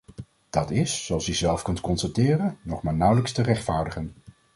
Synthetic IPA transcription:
d̥ɑtɪssoɑlˠsjyzɛlˠfkɵntkɔnsatɪːrənːɔχmaːɹnʌwləkstərɛχtfaːɹdəχən

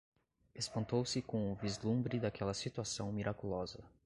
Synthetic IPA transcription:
espɐ̃nt̪owsɪkõw̃ʊvizlũmbɾɪd̪akʰɛlɐsit̪uasɐ̃w̃miɾʔakulɔzɐ

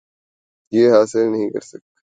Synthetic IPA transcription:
jeːɦaːsɪlnɐɦĩkɐ̰ɾsɐk̚t̪

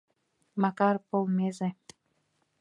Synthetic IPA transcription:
mɑkɑɾpolˠmeze

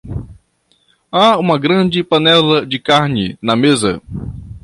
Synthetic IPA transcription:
aũmɐɡɾɐ̃d͡ʒɪpɐnɛlɐd͡ʒɪkaɾnɪnɐmezɐ̰

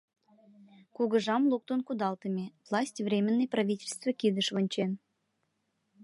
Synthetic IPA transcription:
kuɣə̆ʐɑmlˠuk̚t̪onkud̪ɑlˠt̪ə̆mʲevlˠɑsʲtʲvrʲemʲɪnːəjpravʲitʲelʲst̪vəkid̪əʃvə̆nʲt͡ɕen

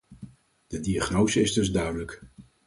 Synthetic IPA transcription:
d̥ədiaχnowzəɪzdɵzdœɥdələk

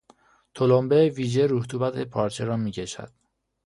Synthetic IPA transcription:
t̪ʰolombeviːd͡ʒeɾuːht̪ʰuːbæt̪ʰepʰɒːɾt͡ʃʰeɾɒːmiːcʰe̞ʃæ̰d̪̥

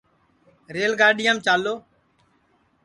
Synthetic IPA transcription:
ɾeːlɡaːɗɪjãːmt͡ʃaːlːoː

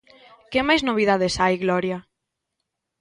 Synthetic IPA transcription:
kemajznoβ̞iðað̞esajɣlɔɾja

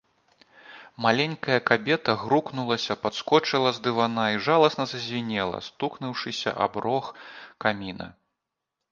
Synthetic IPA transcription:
malʲɛnʲkɐjɐkabʲɛt̪ɐɣɾuknulˠɐsʲɐpat̪skɔt͡ʂɨlˠɐzd̪ɨvanaiʐalˠɐsnɐzɐzʲvʲinʲɛlˠɐ̰st̪uknɨwʂɨsʲɐ̰ʔa̰bɾɔxkamʲinɐ̰

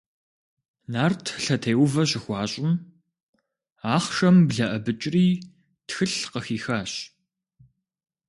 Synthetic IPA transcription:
naːrtʰɬɐtʰeːwʊvɐɕ̬ɪxʷɑːɕʼɪm | aːχʃɐmbɮɐʔɐbɨt͡ʃʼriː | txɨɬqəxiːxaːɕ

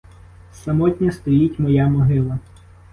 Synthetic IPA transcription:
sɐmɔtʲnʲɐst̪ɔjitʲmɔjamɔɦɪlˠɐ

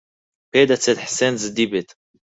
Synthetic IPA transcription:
ped̪at͡set̪ħsenzɨd̪ibet̪

